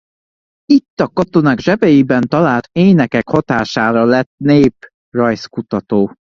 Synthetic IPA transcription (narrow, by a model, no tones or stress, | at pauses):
it̪ːɒkɒt̪o̞naːɡʒɛbɛjibɛnt̪ɒlaːlt̪eːnɛkɛkhɒt̪aːʃaːɾɒlɛt̪neːp | rɒjskut̪ɒt̪oː